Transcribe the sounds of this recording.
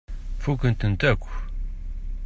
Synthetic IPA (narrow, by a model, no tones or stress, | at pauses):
fukːənt̪ənt̪ækʷː